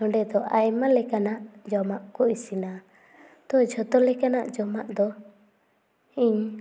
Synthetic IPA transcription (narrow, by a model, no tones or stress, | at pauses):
ɔɳɖɛd̪ɔʔajmalɛkanaʔd͡ʒɔmaʔkɔisina | t̪ɔd͡ʒɔt̪ɔlɛkanaʔd͡ʒɔmaʔd̪ɔ | iɲ